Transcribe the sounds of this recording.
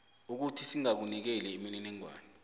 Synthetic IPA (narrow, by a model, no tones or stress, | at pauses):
uk̬utʰisiŋak̬unik̬ɛlɛemininiŋwa̰ːni